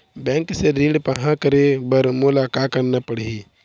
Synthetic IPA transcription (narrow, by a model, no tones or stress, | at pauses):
bɛ̃ːŋkseɾĩːɖpəɦãkəɾebəɾmʊlakakəɾnapəɽi